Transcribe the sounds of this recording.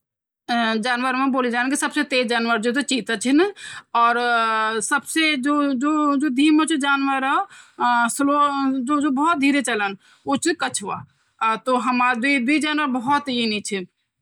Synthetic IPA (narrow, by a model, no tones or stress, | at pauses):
d͡ʒaːnʋəɾmẽboːlid͡ʒaːnkisəbset̪eːd͡ʒaːnʋəɾd͡ʒot̪̬ot͡ʃit̪ət͡ʃʰinɔːɾsəbsed͡ʒod͡ʒod͡ʒod̪ʱiːmot͡ʃʰid͡ʒaːnʋəɾə | slod͡ʒod͡ʒobɔɦɔt̪̚d̪ʱiːɾet͡ʃələn | ot͡ʃʰikət͡ʃʰʋa̰ | t̪oɦəmad̪uid̪uid͡ʒaːnʋəɾbəɦɔt̪init͡ʃʰi